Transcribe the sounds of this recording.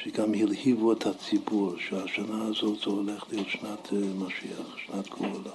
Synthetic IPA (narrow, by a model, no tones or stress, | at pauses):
ʃeɡamhilhivuɛt̪hat͡sibuɾʃehaʃanaːzotz̥oholeχlijot̪ʃnat̪ʰmaʃiaχʃnat̪ɡ̥ula